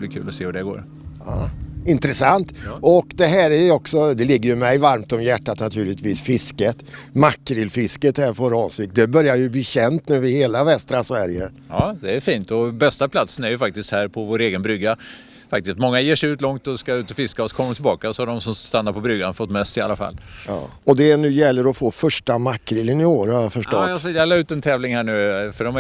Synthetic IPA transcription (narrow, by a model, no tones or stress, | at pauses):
blɪkʰʉ̟ːlɔseːhʉɖɛɡo̰ːɾ | ɑ̰ːɪnt̪ɾɛsant̪ɔkd̪ɛɦæːɾæjɔksɔd̪ɛlɪɡːəɾjɵmɛjvaɾmt̪ɔmjæʈːat̪nat̪ʰʉ̟ːlɪt̪viːsfɪskət̪makːɾɪlfɪskət̪hæːɾfoːɾɔːnsɪk̚t̪̚d̪ɛbœɾjajɵbliːɕɛnt̪nʉːvɪheːlavɛst̪ɾasvæɾjə | ɑːd̪ɛːɾfiːnt̪ɔbɛst̪apʰlat̪sənæɾjɵfak̚t̪ɪst̪hæːɾpʰɔvoːɾeːɡənbɾʏɡːa | fak̚t̪ɪst̪mɔŋːajeːʂɛʉ̟ːt̪lɔŋt̪ɔskaʉ̟ːt̪ɔfɪskaɔskʰɔmːat̪ʰɪlbɑːkasɔhaɖɔmsɔmst̪anːaɾpʰɔbɾʏɡanfɔt̪ːmɛsɪa̰lːafa̰lːɔd̪ɛnʉ̟ːjɛlːəɾɔfoːfœʂʈamakːɾɪlənɪoːɾhɑjafœʂʈɔt̪ːjɛlːaʉ̟ːt̪ɛnt̪ʰɛːvlɪŋhæːɳʉ̟ːfœɖɔm